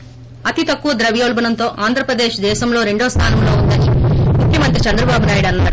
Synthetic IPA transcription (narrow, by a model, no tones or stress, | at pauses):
ɐt̪it̪ɐkːuʋɐd̪ɾɐʋjoːlbɐnɐnt̪o̞ːʔaːnd̪ʱɾɐpɾɐd̪eːʃd̪ɛːʃɐmlo̞ːɾe̞ɳɖoːst̪ʰa̰ːnɐmlo̞ːund̪ɐnimukʰjɐmɐnt̪ɾit͡ʃɐnd̪ɾɐbaːbunaːjɽɐnːaːɽu